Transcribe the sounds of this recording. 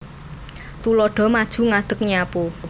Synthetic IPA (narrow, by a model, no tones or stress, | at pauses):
t̪ulɔɖ̥ɔ̤mad̥ʒ̥ṳŋad̪̥ə̤k̚ɲapu